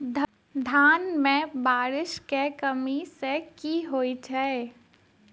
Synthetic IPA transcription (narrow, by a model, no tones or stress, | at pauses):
d̪ʱ | d̪ʱaːnmẽbaːɾɪʃkekəmisekiɦoːit͡ʃʰɛ